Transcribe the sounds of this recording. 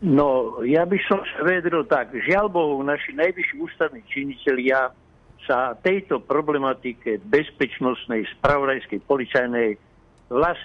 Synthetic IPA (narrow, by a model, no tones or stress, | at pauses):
nɔjabisɔmsaʋiad̪ɾilt̪aɡʒɪalbɔʊnaʃinajʋiʃiuːst̪aʋniːt͡ʃiɲicɛlɪa | sat̪ɛjt̪ɔpɾɔblɛmat̪ikɛbɛspɛt͡ʃnɔst̪nɛjspɾaʋɔd̪ajskɛjpɔlit͡sajnɛj | ʋlas